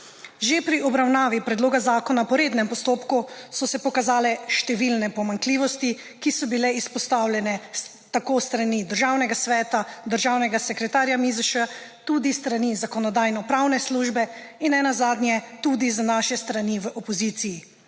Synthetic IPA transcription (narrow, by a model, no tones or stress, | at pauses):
ʒepɾiɔbɾawnaːʋipɾɛd̪loːɡazaːkɔnapɔɾeːd̪nɛmpɔst̪oːpkusɔsɛpɔkazaːlɛʃt̪ɛʋilnɛpɔmaŋkliːʋɔst̪i | kisɔbilɛispɔst̪awlʲjɛnɛ | t̪akost̪ɾanid̪əɾʒawnɛɡasʋɛːt̪ad̪əɾʒaːwnɛɡasɛkɾɛt̪aːɾjamizəʃa | t̪ud̪ist̪ɾanizakɔnɔd̪aːjnɔpɾawnɛsluːʒbɛinːɛnazaːd̪njɛt̪ud̪izanaʃɛst̪ɾaniʋʔɔpɔziːt̪siji